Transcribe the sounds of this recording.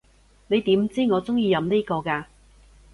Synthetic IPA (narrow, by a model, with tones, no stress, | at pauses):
ne˨˧jt̪iː˨˥mt͡siː˥ŋɔː˨˧t͡sʊ˥ŋjiː˧jɐ˨˧mniː˥kɔː˧kaː˧